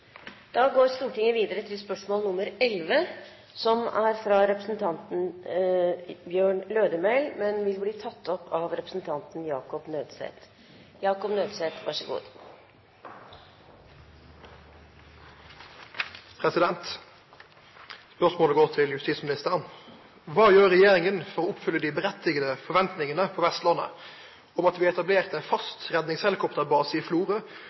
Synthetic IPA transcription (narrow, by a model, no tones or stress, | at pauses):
d̪̥ɑːɡoːɾst̪uːʈɪŋːəʋiːd̪əɾət̪ʰɪlspœʂmoːlnʊməɾɛlʋə | sɔmæɾfɾɑɾɛpɾəsn̩t̪ʰɑnt̪n̩ | bjøːɳløːd̪əmɛɪlmɛnʋɪlbliːt̪ʰɑt̪ʰːɔpʰːɑʋɾɛpɾəsn̩t̪ʰɑnt̪njɑːkɔpnøːd̪sḛːt̪ | jɑːkɔpnøːd̪seːt̪ʋɑ̰ʂəɡṵːd̪ | pʰɾɛsɪd̪ɛnt̪ | spœʁʂmoːləɡoːʁt̪ʰɪljʉst̪iːtsmɪnɪst̪əʁən | ʋɑːjøːʁɛjeːɾɪŋənfɔɾʁoːʊpfʏlːəd̪ɪbəɾɛt̪ɪɡəd̪əfɔʋɛnt̪nɪŋənəpʰɔʋɛst̪lɑnːə̰ | ɔmɑt̪ʋiːɛt̪ɑbleːʁt̪ɛnfɑst̪ʁɛd̪nɪŋshɛlɪkʰɔpt̪əbɑːsɪɪfluːʁə